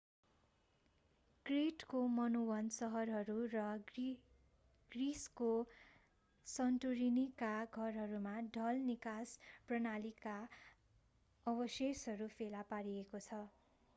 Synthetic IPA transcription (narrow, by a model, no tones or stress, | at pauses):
kreʈkomʌnuwʌnsʌɦʌrɦʌɾurʌ | ɡ̥risko | sʌnʈuɾinikaɡʱʌrɦʌɾumaɖʱʌlnikasprʌnalika | ʌbʌsesɦʌɾupʰelapaɾiekot͡sʰʌ